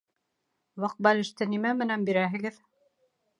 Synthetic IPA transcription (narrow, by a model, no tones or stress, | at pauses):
wɑq̚bɑlɘ̆ʃt̪ɘnimæmɘ̆nænbiɾæɦɘ̆ɣɘð